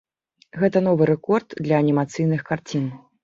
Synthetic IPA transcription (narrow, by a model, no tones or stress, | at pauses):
ɣɛt̪ɐn̪ɔvɨɾɛkɔrt̪d̪lʲɐːnʲimat̪sɨjnɨxkart͡sʲin